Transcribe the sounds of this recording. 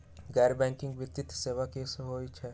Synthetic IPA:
ɡɛːɾbɛ̃ːŋkɪ̃ŋɡʋɪt̪ɪt̪seːʋakeːsɦoːit͡ʃʰɛː

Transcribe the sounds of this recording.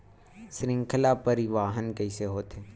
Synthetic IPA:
sɾɪ̃ŋkʰəlapəɾiʋaːɦənkɛiseɦoːt̪eː

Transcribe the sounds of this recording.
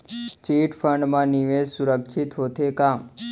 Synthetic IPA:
t͡ʃiʈfʰəɳɖmãniʋesuɾəkʃʰit̪ɦot̪ʰekam

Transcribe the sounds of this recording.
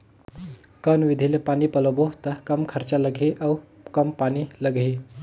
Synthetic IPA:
kənʋid̪ʱilepanipəloboɦt̪əkəmkʰəɾt͡ɕaləɡʱeʔaw | kəmpaniləɡʱe

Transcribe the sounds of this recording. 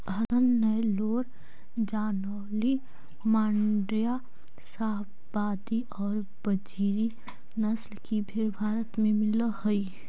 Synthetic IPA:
ɦɐd̪ənːəjloːɾ | d͡ʒaːnɔːli | maːɳɖɾja | saːɦ | baːd̪iʔɔːɾ | b̥əd͡ʒiːɾi | nəslkibʱɪɾbʱaːɾət̪mẽmɪləhʊi

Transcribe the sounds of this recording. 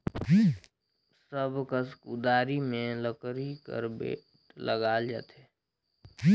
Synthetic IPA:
i | səbkəskud̪aːɾimẽləkɾikə̰ɾbḛ | ləɡaːld͡ʒa̰ːt̪e

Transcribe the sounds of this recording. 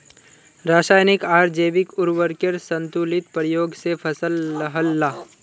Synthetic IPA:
ɾaːʃaːjnɪkaːɾd͡ʒeːʋɪkʊɾwəɾkeɾsə̃nt̪ulɪt̪pɾəjoːɡsepʰəsəlɐɦəlːaː

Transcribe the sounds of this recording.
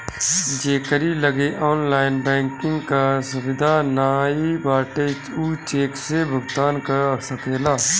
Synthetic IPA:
d͡ʒeːkəɾiləɡeʔɔːnlaːɪnbɛ̃ːŋkɪ̃ŋɡkasʊʋɪd̪ʱaːnaːibaːʈet͡ʃuːt͡ʃeːksebʱʊɡt̪aːnkasəkeːlaː

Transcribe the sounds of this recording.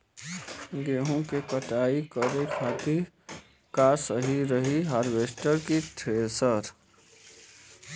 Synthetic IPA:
ɡeːɦõkekəʈaːikəɾekʰaːt̪iɾ | kasəɦiɾəɦiɦəɾʋeːsʈəɾkiʈ̪ʰɾeːsəɾ

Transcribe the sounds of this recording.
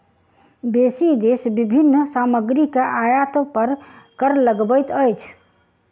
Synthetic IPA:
besid̪esbibʱinːsaməɡɾikeʔajət̪pəɾkəɾləɡbəjt̪əjt͡ʃʰ

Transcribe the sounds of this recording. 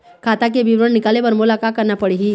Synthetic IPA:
kʰat̪ak̬ebiʋɾəɳnːikalebəɾmulakakːəɾnapəɽeɦiː

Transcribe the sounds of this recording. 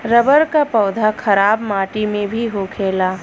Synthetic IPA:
ɾɐbəɾkapɔːd̪ʱakʰɐɾaːbmaːʈimẽbʱiɦokʰeːlaː

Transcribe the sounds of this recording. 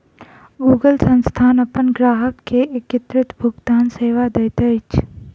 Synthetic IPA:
ɡuːɡəlsə̃nst̪ʰaːnɐpənɡɾaːɦəkːeʔɪkɪt̪ɾɪt̪bʱʊɡt̪aːnseːʋad̪ɐjt̪et͡ʃ

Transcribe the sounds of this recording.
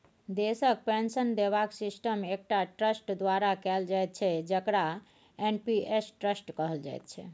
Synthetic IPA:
d̪esək̚pẽnsənd̪eβaksisʈəmek̚ʈaʈɾəsʈd̪waɾakɛld͡ʒajt̪̚t͡ʃʰɛd͡ʒəkɽa | enpiʔesʈɾəsʈkəɦəld͡ʒa̰jt̪̚t͡ʃʰɛ

